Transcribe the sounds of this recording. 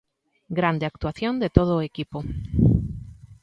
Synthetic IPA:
ɡɾand̪eak̚t̪uaθjond̪et̪oð̞oːekipo

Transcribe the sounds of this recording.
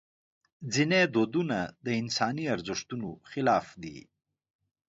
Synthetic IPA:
zined̪oːd̪unad̪əɪnsɑːniaɾzɪʂt̪unoxɪlɑːfd̪ḭ

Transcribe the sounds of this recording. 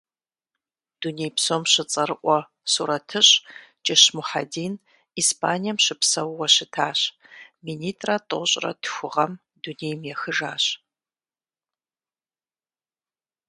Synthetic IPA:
d̥unejpsoːmɕɪt͡sʼɐɾɨʔʷɔ | suɾɐtʰɨɕʼt͡ʃʼɪɕmuħa̰diːn | iːspʰaːnijɛmɕɪpsɐwːɐɕɪtʰaːɕminiːtʼrɐtʼɨɕʼrɐ̰tʰxʷʊʁɐm | dunejmjɛxɨʒaːɕ

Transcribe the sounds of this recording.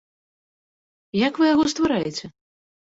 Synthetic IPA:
jakvɨjaɣɔst̪vaɾajɛt͡sʲɛ

